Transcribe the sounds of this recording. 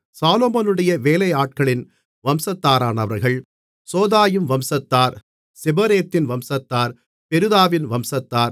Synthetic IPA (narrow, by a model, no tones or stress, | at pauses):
saːloːmɐnɯɽɐjɐʋeːlɐjaːʈ̚kɐɭɪn | ʋɐmsɐt̪ːaːɾaːnɐʋɐɾɣɐɭ | soːðaːjɯmʋɐmsɐt̪ːaːɾ | sɛbɐɾeːt̪ːɪnʋɐmsɐt̪ːaːɾ | pɛɾɯðaːʋɪnʋɐmsɐt̪ːaːɾ